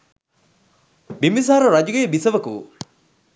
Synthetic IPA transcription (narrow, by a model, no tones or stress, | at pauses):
bimis̬aːɾɐɾɐd͡ʒuɡeːbisɐʋɐku